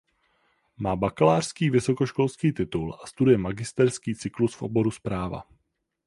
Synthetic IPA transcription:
maːbakalaːr̥skiːvɪso̞koʃko̞lskiːt̪ɪt̪ulʔast̪udujɛmaɡɪst̪ɛɾskiːt͡sɪklusfʔo̰bo̞ɾuspɾaːva̰

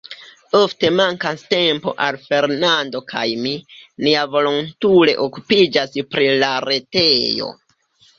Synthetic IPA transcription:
o̞fte̞maŋkaste̞mpo̞̰ʔalfe̞ɾnando̞kʰa̰jminiavo̞lontule̞̰ʔokupid͡ʒaspɾilaɾe̞te̞jo̞̰

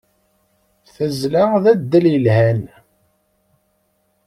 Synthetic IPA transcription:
θəzlaðæd̪ːələlhæn

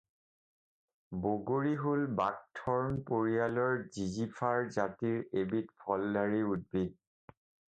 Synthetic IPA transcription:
boɡoɹiɦolbak̚tʰɔɹnpoɹialɔɹzizipʰaɹzatiɹebitpʰɔlːaɹiud̚bid̚

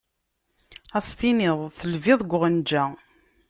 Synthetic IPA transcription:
æsθinɪðˤθəlvɪðˤɡʷʁənd͡ʒæ

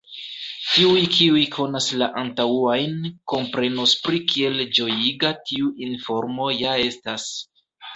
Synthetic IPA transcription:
tiujkʰiujkʰo̞naslaʔantauajnko̞mpɾe̞nospɾikʰie̞ld͡ʒo̞jiɡatʰiuʔinfo̞ɾmo̞jae̞stas

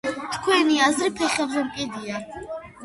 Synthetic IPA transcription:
t̪ʰkʰwɛniazɾipʰɛχɛbzɛmkʼid̪ia

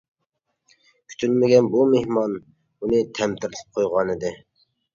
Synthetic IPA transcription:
kʲʰy̥t̪ʰylmɪɡʲɛnbumehmɑn | unɨt̪ʰɛmt̪ʰɪɾɪlʰɪ̥p̚qʰojʁɑnɨd̪ɪ

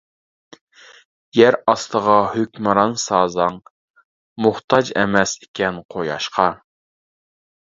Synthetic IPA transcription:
jæɾɑst̪əʁɑhøkʲmɨɾɑnsɑːzɑŋ | mʊχt̪ʰɑd͡ʒɛ̰mɛsi̥kʲɛnqʰojɑ̰ʃqʰɑ

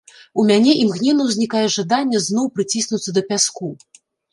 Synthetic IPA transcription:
umʲanʲɛʔimɣnʲɛnɐwzʲnʲikajɛʐad̪anʲːɛznɔwpɾɨt͡sʲisʲnut̪sɐd̪ɐpʲasku

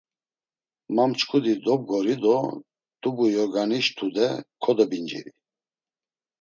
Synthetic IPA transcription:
mamt͡ʃkʰʼud̪id̪ɔb̚ɡɔɾid̪ɔ | d̪̥ubujɔɾɡaniʃt̪ʰud̪ɛkʰɔd̪ɔbind͡ʒḭɾi

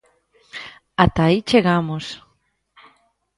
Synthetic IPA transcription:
at̪ait͡ʃeɣamos

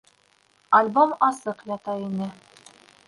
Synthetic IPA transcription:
ɐlʲbomɑsɤqjɑt̪ɑinɘ

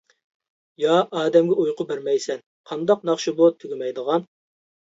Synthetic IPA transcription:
jɑɑːd̪ɛmɡʲɛʔujqʰʊbɪɾmɛjsɛn | qʰɑnd̪ɑq̚nɑχʃubut̪ʰyɡʲɪmɛjd̪əʁɑn

